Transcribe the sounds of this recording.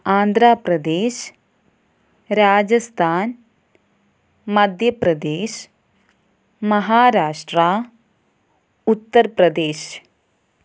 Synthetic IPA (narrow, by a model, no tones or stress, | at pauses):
aːnd̪ʱɾaːpɾɐd̪eːʃ | ɾaːd͡ʒɐst̪ʰaːn | mɐd̪ʱjɐpɾɐd̪eːʃ | mɐɦaːɾaːʂʈɾaː | ut̪ːɐɾpɾɐd̪eːʃ